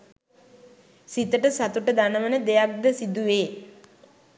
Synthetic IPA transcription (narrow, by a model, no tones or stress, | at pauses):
sit̪əʈəsat̪uʈəd̪anəʋənəd̪ejak̚d̪əsid̪uʋeː